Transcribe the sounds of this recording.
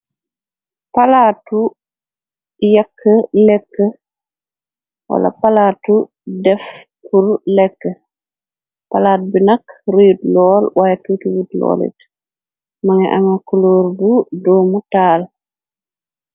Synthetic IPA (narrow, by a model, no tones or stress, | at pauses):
palaːtu | jakʰːəlɛkːə | wa̰la̰palaːtu | dɛf | puɾlɛkːə | palaːt̚binɐkɾujutlɔːlwʔajtutuwutlɔ̰ːlḭt | maŋɛʔaŋakuloːɾbudɔːmutaːl